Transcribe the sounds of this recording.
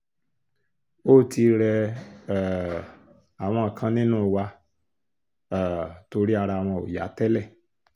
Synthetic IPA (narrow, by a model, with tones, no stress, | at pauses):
o˦˨tʰi˧ɾɛ˧˨ | a˨w̃ɔ̃˧a˨kʰã˦nẽ˦nɔ̃˦˨wa˦˨ | to˧˦ɾi˦a˧ɾa˨wã˧˨o̰˨ja̰˨˦tɛ˦lɛ˦˨